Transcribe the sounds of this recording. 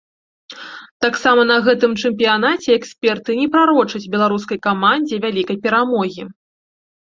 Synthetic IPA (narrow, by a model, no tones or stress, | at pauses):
t̪aksamɐnɐɣɛt̪ɨmt͡ʂɛmp̬ʲijanat͡sʲɛːksʲpʲɛrt̪ɨnʲɛpɾaɾɔt͡ʂɐt͡sʲbʲɛlˠaɾuskɐjkamanʲd͡zʲɛvʲalʲikɐjpʲɛɾamɔɣʲi